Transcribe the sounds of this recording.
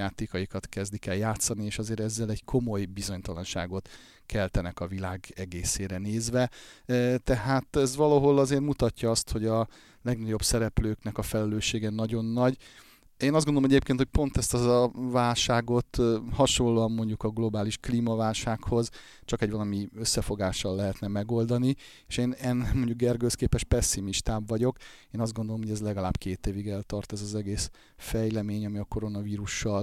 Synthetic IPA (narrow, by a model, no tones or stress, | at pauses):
aːt̪eːkɒjikɒt̪kɛzd̪ikɛljaːt̪sɒnieːʃɒzeːɾɛzːɛlɛɟkʰo̞mo̞jbizo̞ɲt̪ɒlɒnʃa̰ːɡo̞t̪ | kʰɛlt̪ɛnɛkɒvilaːɡɛɡeːseːɾɛneːzʋɛ | t̪ɛɦaːt̪ɛzvɒlɒɦo̞lɒzeːrmut̪ɒcːɒɒst̪ho̞ɟɒ | lɛɡnɒɟo̞bsɛɾɛpløːknɛkɒfɛlɛløːʃeːɡɛnɒɟo̞nːɒɟ | eːnɒzɡond̪omɛɟeːp̚keːnt̪hʰoc̚ʲpo̞nt̪ɛst̪ɛzɒvaːlʃaːɡo̞t̪hɒʃolːoːɒmːo̞ɲɟukɒɡlo̞baːliʃkliːmɒvaːlʃaːkho̞z | t͡ʃɒkɛɟvɒlɒmiøsːɛfo̞ɡaːʃɒlːɛɦɛt̪nɛmɛɡo̞ld̪ɒni | eːʃeːnɛnːmo̞ɲɟuɡɡɛrɡøskeːpɛʃpɛsːimiʃt̪aːbvɒɟo̞keːnɒzd̪ɡond̪olomhoɟɛzlɛɡɒlaːbkeːt̪eːviɡɛlt̪ɒrt̪ɛzɒzɛɡeːs | fɛjlɛmeːɲɒmiɒko̞ɾo̞nɒviːɾuʃːɒl